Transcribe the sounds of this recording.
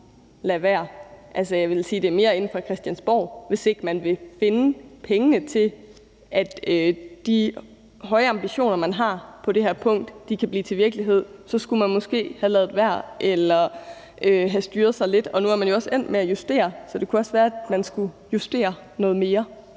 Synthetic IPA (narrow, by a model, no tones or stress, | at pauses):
læʋæɐ̰ʔælsəjɑʋe̝lsiːd̥e̝ɐme̝ːɐe̝n̩fʁɑ̈kʰʁɛsd̥jænsb̥ɒ̰ːʋe̝se̝ɡ̥mænʋe̝fe̝nəpʰeŋənət͡sʰe̝l | ʔæd̥ød̥i | ɦɒ̽ɪəɑ̈mb̥iɕo̝̰ːnɐmænɦɑ̈pʰɒ̽d̥e̝hæɐ̰pʰɔ̽ŋ̰d̥d̥ikʰæb̥lḭːt͡sʰe̝ʋiɐɡ̥liɦe̝ð̞̰ˠsɒ̽sɡ̥umænmɒ̽sɡ̥e̝̰ːhælɛːð̩ˠʋæɐ̰ʔelɐ | ʔøɦæsd̥yːɐð̞̩ˠsɑ̈ɪle̝d̥ɒ̽nuæɐmænjo̝ɒ̽sen̰̥meæjusd̥e̝̰ːɐsɒ̽d̥e̝kʰuɒ̽sʋæːɐæd̥mænsɡ̥u | jusd̥e̝̰ːɐ | nɔ̽ːð̩ˠme̝ːɐ